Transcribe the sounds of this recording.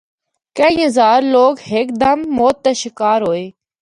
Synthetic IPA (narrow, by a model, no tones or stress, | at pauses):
kəĩə̃zaːɾloːɡhek̚d̪əmːoːt̪ːeʃɪkaːɾɦoːeː